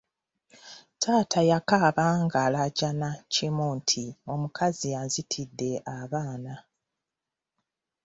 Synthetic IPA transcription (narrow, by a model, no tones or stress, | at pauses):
tʰaːtʰajakaːβaŋɡaːlaɟanacimuːntʰio̞mukʰazianzitʰidːe̞ʔaβaːna